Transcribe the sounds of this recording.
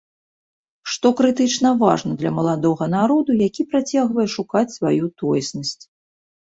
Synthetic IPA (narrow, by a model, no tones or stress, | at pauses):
ʂt̪ɔkɾɨt̪ɨt͡ʂnɐva̰ʐnɐd̪lʲɐmɐlˠad̪ɔɣɐnaɾɔd̪ujakʲipɾat͡sʲaɣvɐjɛʂukat͡sʲsvajut̪ɔjɛsnɐsʲt͡sʲ